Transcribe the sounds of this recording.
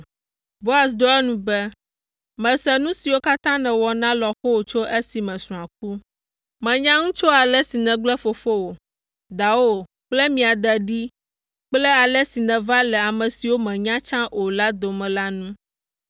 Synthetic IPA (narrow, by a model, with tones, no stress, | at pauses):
bo˦a˨s̬d̪o˦ɛ˦nũ˦bɛ˦ | mɛ̃˨sɛ˨nũ˦si˨wo˦ka˦t̪ã˦nɛ̃˨wɔ˨nã˦lɔ˨xo˦wo˨t͡ʃo˦ʔe˦si˨mɛ̃˨sũ˨a˨k̚u˦ | mɛ̃˨ɲã˦ŋũ˦t͡ʃo˦a˨lɛ˦si˨nɛ̃˨ɡ͡blɛ˦fo˨fo˦wo˨ | d̪a˨wo˦ | k͡plɛ˦mĩ˨a˨d̪ɛ˨ɖi˦ | k͡plɛ˦a˨lɛ˦si˨nɛ̃˨va˦lɛ˨a˨mɛ̃˨si˨wo˦mɛ̃˨ɲã˦t͡ʃã˦ʔo˨la˦d̪o˨mɛ̃˨la˦nũ˦